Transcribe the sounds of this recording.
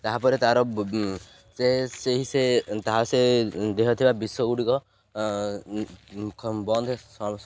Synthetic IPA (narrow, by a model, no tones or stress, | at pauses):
t̪aɦapɔɾet̪aɾɔ | seseɦiset̪aɦased̪eɦɔt̪ʰibabisɔuɽikɔ | bɔnd̪ʱesɔ